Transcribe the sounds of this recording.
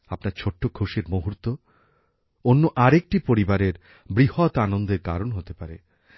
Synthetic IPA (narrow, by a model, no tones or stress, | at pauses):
apnaɾt͡ɕʰoʈːokʰoʃeɾmoɦuɾt̪o | onːoʔaɾek̚ʈipoɾibaɾeɾ | bɾihɔt̪anond̪eɾka̰ɾonɦot̪epaɾḛ